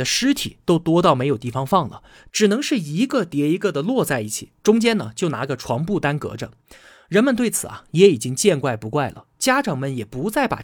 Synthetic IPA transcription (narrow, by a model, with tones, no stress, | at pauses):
ə˦ʂɻ̩˥t̪ʰi˨˩t̪o˥ʊt̪wɔ˥t̪ɑ˥˩ʊme˧˥jʊt̪i˥˩fɑ˧˥ŋfɑ˥˩ŋlə̰˩ | ʈ͡ʂɻ̩˨˩nɤ˧˥ŋʂɻ̩˥˩i˧˥ɡə˥˧t̪jɛ˧˥i˧˥ɡə˧d̪ə˩lwɔ˥˧t͡sa˥˧ɪi˥˩t͡ɕʰḭ˨˩ʈ͡ʂʊ˥ŋt͡ɕjɛ˥nə˨t͡ɕjo˥˩ʊna̰˧˥ɡə˧ʈ͡ʂʰwɑ˧˥ŋpu˥˩t̪a˥nkɤ̰˧˥ʈ͡ʂə̰˧ | ɻə˧˥nmə˧nt̪we˥˩ɪt͡sʰɹ̩˨˩a̰˦jɛ˧˥i˨˩t͡ɕi˥ŋt͡ɕjɛ˥˧nkwa˥˩ɪpu˧˥kwa˥˩ɪlə̰˩t͡ɕja˥ʈ͡ʂɑ˨˩ŋmə˧˥njɛ˨˩pu˧˥t͡sa˥˩ɪpa̰˨˩